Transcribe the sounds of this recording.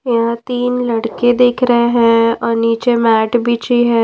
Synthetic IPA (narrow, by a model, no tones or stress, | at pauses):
jɐɦãt̪iːnlɐɽked̪eːkʰɾɐɦeɦɛ̃ɔːɾniːt͡ʃemɛːʈbʱit͡ʃiɦɛ̃ː